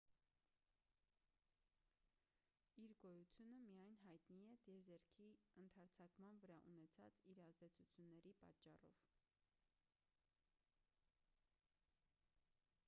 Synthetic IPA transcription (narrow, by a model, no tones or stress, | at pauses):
iɾɡɔjut͡sʰjunəmijɑjnɦɑjt̪niɛd̪̥jɛzɛɾkʰiənt̪ʰɑɾt͡sʰɑkmɑnvəɾɑʔunɛt͡sʰɑ̰t͡siɾɑzd̪ɛt͡sʰut͡sʰjunːɛɾipɑ̰t͡ʃːɑ̰rɔ̰v̥